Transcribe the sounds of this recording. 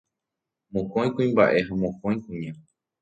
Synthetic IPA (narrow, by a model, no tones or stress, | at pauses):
mõkõj̃kũĩmba̰ʔe̞ɦãmõkõj̃kũɲã